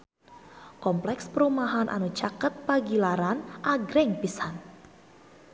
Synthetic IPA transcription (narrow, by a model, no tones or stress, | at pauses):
kɔmplɛkspəɾumaɦanʔa̰nu̥t͡ʃakət̪̚paɡilaɾanʔaɡɾɪŋpisan